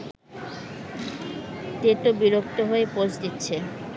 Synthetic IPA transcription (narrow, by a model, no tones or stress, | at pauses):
t̪et̪obiɾok̚t̪oɦoepod͡ʑd̪itːɕʰe